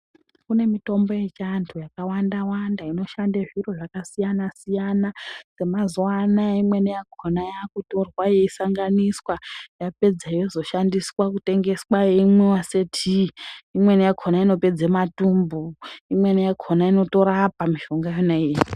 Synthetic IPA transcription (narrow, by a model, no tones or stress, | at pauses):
kune̞mito̞mbo̞je̞t͡ʃantʰujakawandawandaino̞ʃandeʐiɾo̞ʐakasijanasijanase̞mazwanaimwe̞nejaɡʰʱonajakuto̞rwajeisaŋɡaniswajape̞d͡zaijozo̞ʃandiswakute̞ŋɡe̞swajeimwewasetʰiimwe̞nejaɡʰʱonaino̞pe̞d͡zematumbuimwe̞nejaɡʰʱonaino̞to̞ɾapamiʒo̞ŋɡajonai